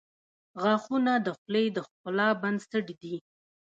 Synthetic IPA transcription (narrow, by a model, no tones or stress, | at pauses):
ɣɑxunad̪əxlejd̪əxkʊlɑband̪st̪əɖid̪i